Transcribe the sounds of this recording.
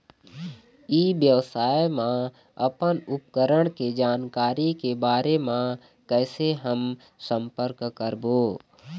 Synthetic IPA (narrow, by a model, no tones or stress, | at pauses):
iːbjəʋsaːjmã | ɐpənʊp̚kəɾəɽ̃ked͡ʒaːnkaːɾikebaːɾemã | kɛːseɦəm | sə̃mpəɾkkəɾboː